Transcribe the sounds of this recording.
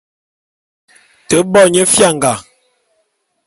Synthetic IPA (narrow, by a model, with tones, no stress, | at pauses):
tə˨˦bɔ˦˨ɲə˦fja˦˨ŋɡa˨